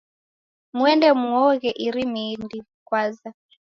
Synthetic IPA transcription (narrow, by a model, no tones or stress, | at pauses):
muɛndɛmuɔɣɛʔiɾimindi | kwaza